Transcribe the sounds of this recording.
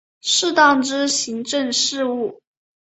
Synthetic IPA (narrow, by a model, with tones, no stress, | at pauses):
ʂɻ̩˥˧t̪ɑ˥˩ŋʈ͡ʂɻ̩˥ɕi˧˥ŋʈ͡ʂə˥˧ŋʂɻ̩˥˧u˥˩